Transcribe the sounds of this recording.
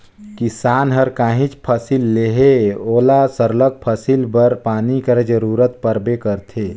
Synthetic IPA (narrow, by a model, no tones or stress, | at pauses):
kɪsaːnɦəɾkaːɦĩt͡ʃpʰəsilːeɦeoːlasəɾlək̚pʰəsilbəɾpaːnikəɾd͡ʒəɾuːɾət̪̚pəɾbekəɾt̪ʰeː